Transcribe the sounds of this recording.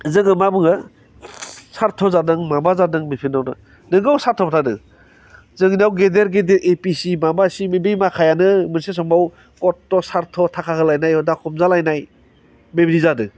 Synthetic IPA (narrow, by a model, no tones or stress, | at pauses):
zɯŋɯmabɯŋɯ | saɾtʰɔzadɯŋmabazadɯŋmipʰinːawnɯ̰ | nɯɡawsaɾtʰɔpʰatʰadɯ | zɯŋinawɡedeɾɡedeɾʔepisimabasimebijmakʰajanɯmɯnses̬ɔmaw | kɔtːɔsaɾtʰɔtʰakʰakʰɯlajnajɔdakʰɔmzalajnaj | mebɾizadɯ